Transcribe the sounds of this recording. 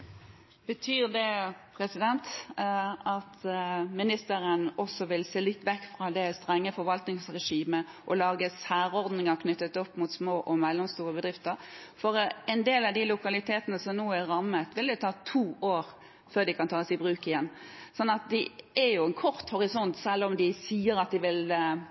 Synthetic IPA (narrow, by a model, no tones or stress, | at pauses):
b̥ət̪ʰyːʁd̪ɛpʰɾɛsɪd̪ɛnt̪ | ɑt̪mɪnɪst̪əɾənɔsɔʋɪlseːlɪt̪ːʋɛkːfɾɑd̪ɛst̪ʁɛŋːəfɔɾʋɑlt̪nɪŋsɾɛʂiːməʔɔlɑːɡəsæːɾɔʁd̪nɪŋɑkʰnʏt̪ːət̪ɔpːmʊt̪smoːʔɔmɛlːɔmst̪uːɾəbəd̪ʁɪft̪əɾfɔɾɛɪnd̪eːlɑʋd̪ɪlʊkɑlɪt̪ʰeːt̪ənəsɔmnuːæɾɑmːət̪ʋɪld̪ɛt̪ʰɑːt̪ʰuːʔoːɾ | føːɾd̪ɪkʰɑnt̪ʰɑːɔsɪbɾʉːkɪjɛnːsɔnːɑt̪̚d̪ɛʔɛjʊɛnkʰɔʁt̪hɔɾɪsɔnt̪sɛlːɔmd̪ɪsiːəɾɑt̪̚d̪ɪʋɪl